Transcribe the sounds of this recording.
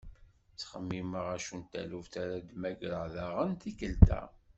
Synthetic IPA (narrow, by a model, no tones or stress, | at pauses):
t͡sχəmːiməʁæʃunt̪æ̰luvθaɾad̪mæɡɾəʕðaʁənt̪ikəlt̪æ̰